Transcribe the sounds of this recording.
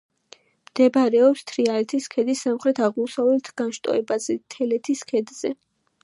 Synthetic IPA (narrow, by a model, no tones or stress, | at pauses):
md̪̥ɛbaɾɛɔpst̪ʰɾialɛt̪ʰiskʰɛd̪isːamχɾɛt̪ʰaʁmusavɛlt̪ʰɡ̥anʃt̪ʼɔ̰ɛbazɛt̪ʰɛlɛt̪ʰiskʰɛd̪z̥ɛ